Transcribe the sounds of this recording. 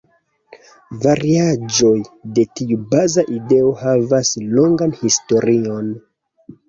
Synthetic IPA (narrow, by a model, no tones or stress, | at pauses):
vaɾiad͡ʒo̞jde̞tiubazaʔide̞o̞havasloŋɡanhisto̞ɾio̞n